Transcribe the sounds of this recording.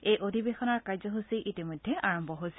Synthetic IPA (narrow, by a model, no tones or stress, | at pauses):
ejʔodʱibexɔnaɹkaɹzɔɦusiʔitimojdʱɛʔaɹɔmbʱɔɦojsi